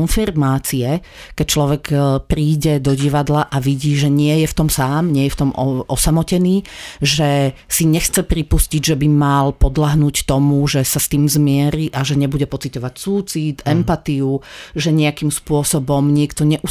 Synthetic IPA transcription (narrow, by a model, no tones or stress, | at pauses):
nfiɾmaːt͡siɛ | kɛc̚t͡ʃlɔʋɛkpɾiːɟɛd̪ɔɟiʋad̪laʔaʋiɟiːʒɛɲɪɛjɛft̪ɔmsaːmɲɪɛjɛft̪ɔmɔɔsamɔcɛniːʒɛsiɲɛxt͡sɛpɾipusciɟʒɛbimalpɔd̪laɦnuːct̪ɔmuʒɛsast̪iːmzmɪɛɾiʔaʒɛɲɛbuɟɛpɔt͡sit̪ɔʋacsuːt͡sit̪ɛmpat̪iuʒɛɲɛakimspʊɔsɔbɔmɲɪɛkt̪ɔɲɛʔu